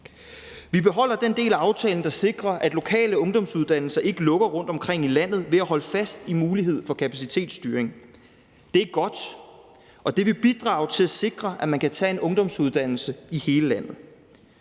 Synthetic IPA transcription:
ʋib̥e̝ɦɒ̽l̰ɐd̥end̥e̝̰ːlæɑ̈ʊt͡sʰɛːln̩d̥ɑ̈se̝ɡ̥ʁɐʔæd̥lo̝kʰɛ̰ːləɔ̽ŋd̥ɒ̽msuð̞ˠd̥æn̰l̩sɐʔe̝ɡ̥əlɔ̽ɡ̥ɐʁɔ̽n̰d̥ɒ̽mkʰʁeŋ̰ilæn̰ð̞̩ˠʋe̝æɦɒ̽ləfæsd̥imuːliɦe̝ð̞̰ˠfɒ̽kʰæpʰæsit͡sʰe̝̰ːd̥sd̥yːɐeŋ | d̥e̝æɡ̥ɒ̽d̥ | ɒ̽d̥e̝ʋe̝b̥id̥ʁɑ̈ːʊt͡sʰe̝læse̝ɡ̥ʁɐʔæmænkʰæt͡sʰɛe̝nʔɔ̽ŋd̥ɒ̽msuðˠd̥æn̰l̩səihe̝ːləlæn̰ð̞̩ˠ

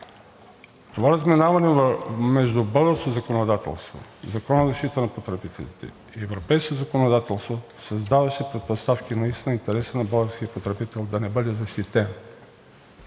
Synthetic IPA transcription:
t̪ovaɾɐzmɛnavɐnɛvmɛʒd̪ubɤlˠɡəɾskozɐkonod̪at̪ɛ̰lˠst̪vo̰zɐkɔnəzɐʃt̪it̪ənɐpot̪ɾɛbit̪ɛ̰lḭt̪ɛ̰ | iɛvɾopɛjskozɐkonod̪at̪ɛlˠst̪vo | sɐzd̪avɐʃɛpɾɛt̪̚post̪afkʲinɐist̪inəint̪ɛɾɛsənɐbəlˠɡəɾskiɐpot̪ɾɛbit̪ɛlˠd̪ɐnɛbɤd̪ɛzɐʃt̪it̪ɛn

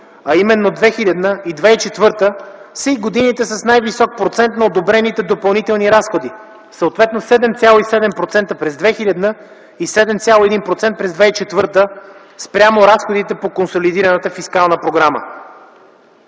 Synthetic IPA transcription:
ɐimɛnːod̪vɛxilʲɐd̪nəid̪vɛit͡ʃɛt̪vɤɾt̪əsəiɡod̪init̪ɛsɐsnajvisɔk̚pɾot̪sɛnt̪nɐod̪obɾɛnit̪ɛd̪opɐlˠnit̪ɛlˠniɾasxod̪i | səot̪vɛt̪nosɛd̪ɛmt̪sʲalˠoisɛd̪ɛmpɾot̪sɛnt̪əpɾɛzd̪vɛxilʲəd̪nə | isɛd̪ɛmt̪sʲjalˠoɛd̪inpɾot̪sɛnt̪̚pɾɛzd̪vɛit͡ʃɛt̪vɤɾt̪ə | spɾʲjamoɾasxod̪it̪ɛpokonsolid̪iɾɐnət̪əfiskalˠnəpɾoɡɾamə̰

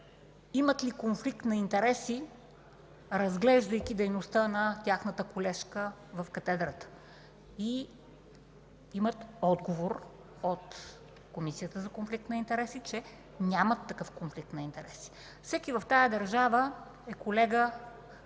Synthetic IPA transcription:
imət̪likonflik̚t̪nɐint̪ɛɾɛsi | ɾɐzɡlɛʒd̪əjk̟id̪ɛjnost̪ənɐt̪ʲaxnət̪əkolɛʃkə | vɐfkɐt̪ɛd̪ɾət̪ə̥ | i | imət̪ɔd̪ɡovoɾ | ot̪ | komisijət̪əzɐkonflikt̪nɐint̪ɛɾɛsit͡ʃɛ | nʲamət̪ːɐkɤfkonflik̚t̪nɐint̪ɛɾɛsi̥ | fsɛkivɐft̪ajɐd̪ɐɾʒavə | ɛkolɛɡə

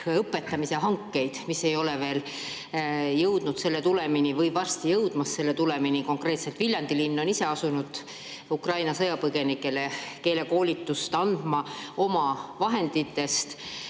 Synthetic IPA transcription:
ɤpːˑe̞t̪ːɑmiseɦɑŋkːe̞jd̪̥misːe̞jo̞leve̞ːl | jɤwd̪̥nud̪̥se̞lːe̞t̪ule̞minivɤjvɑrst̪ijɤwd̪̥mɑsːe̞lːe̞t̪ule̞miniko̞ŋkre̞ːt̪se̞lt̪vilʲjɑnd̪ilinːo̞nise̞ɑsunud̪̥ | ukrɑjnɑsɤjɑpɤɡe̞nikːˑe̞le̞ke̞ːle̞ko̞ːlʲit̪ːˑust̪ɑnd̪̥mɑo̞mɑvɑɦe̞nd̪̥it̪ːe̞st̪

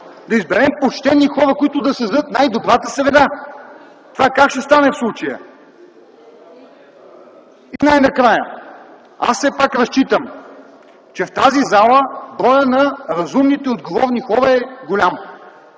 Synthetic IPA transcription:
d̪ɐizbɛɾɛmpot͡ʃt̪ɛnːixɔɾəkoit̪ʊd̪ɐsɐzɤt̪najd̪obɾat̪əsɾɛd̪a | t̪ovakakʃt̪ɛst̪anɛfslˠut͡ʃɐjə̰ | inajnɐkɾajə̰ | a̰sːɛpakɾɐst͡ʃit̪əm | t͡ʃɛft̪azizalˠəbɾɔjənɐɾɐzumnit̪ɛod̪ɡovɔvnixɔɾəɛɡolʲam

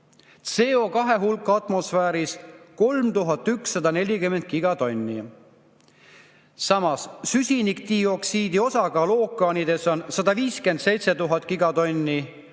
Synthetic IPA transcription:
t̪se̞ːo̞kɑɦe̞ɦulkːˑɑt̪ˑmo̞sfæːɾisko̞lmt̪uɦɑt̪ːˑyksːɑd̪ɑne̞lʲikyme̞nt̪̚ˑkiɡ̥ɑt̪o̞nʲːi | sɑmɑssysʲinikt̪io̞ksiːd̪io̞sɑɡ̥ɑlo̞ːkːˑɑːnid̪e̞so̞nsɑd̪ɑviːske̞nd̪̥se̞jt̪se̞t̪uɦɑt̪ˑːkiɡ̥ɑt̪o̞nʲːi

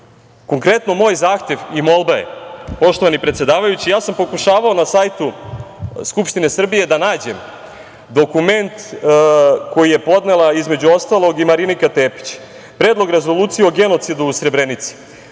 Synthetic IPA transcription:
ko̞ŋkɾe̞t̪no̞mo̞ːjzaːxt̪je̞ʋimo̞lˠbaḛpo̞ʃt̪o̞ʋanipɾet̪sje̞d̪aːʋajut͡ɕijaːsampo̞kuʃaːʋao̞nasajt̪u | skupʃt̪ine̞sr̩bije̞d̪anaːd͡ʑe̞m | d̪o̞kume̞nt̪ | ko̞jije̞po̞d̪ne̞laizme̞d͡ʑuo̞st̪alˠo̞ɡimaɾinikat̪eːpi̥t͡ɕ | pɾe̞ːd̪lˠo̞ɡɾe̞zo̞lˠuːt̪sijeo̞ɡe̞no̞t̪sid̪uːsɾe̞bɾenit̪si̥

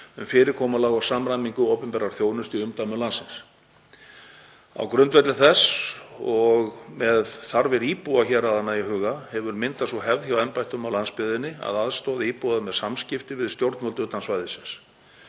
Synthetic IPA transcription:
ʏ̰mfɪːɾɪɾkʰɔːmalaːɣawsaːmɾajmiŋkʏowpɛmpɛːɾaɾ̥θjoːwnʏst̪iʏmt̪ajmʏlansɪns | a̰wkɾʏnt̪vɛt̪lɪθɛsɔɣmɛðθaɾvɛɾiːpuaçɛɾaðanːaiɦʏːɣahɛvʏɾmɪnt̪asvɔɦɛvðçjawɛnpajht̪ʏmawlanspɪðɪnːɪa̰ðaðst̪ɔːðɪiːpuaðmɛðsamscɪft̪ɪvɪðst̪jowɾt̪mɔlt̪ʏːt̪ansvaːjðɪsɪns

